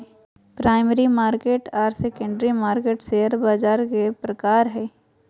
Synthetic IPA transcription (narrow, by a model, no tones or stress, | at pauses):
pɾaːɪməɾimaːɾkeːʈaːɾsekə̃ɳɖɾimaːɾkeːʈseːəɾbaːd͡ʒaːɾkepɾəkaːɾɦɛː